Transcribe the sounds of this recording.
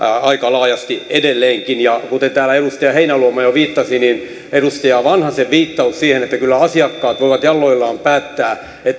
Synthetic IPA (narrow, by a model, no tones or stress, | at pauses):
ɑikɑlɑːjɑst̪iedelːeːŋkinjɑkut̪ent̪æːlæedust̪ɑjɑheinæluomɑjoʋiːt̪ːɑsinin | edust̪ɑjɑʋɑnhɑseʋʋiːt̪ːɑussiːhenet̪ːækylːæɑsiɑkːɑːt̪ʋoiʋɑt̪jɑlːoilːɑːmpæːt̪ːæː | et̪ː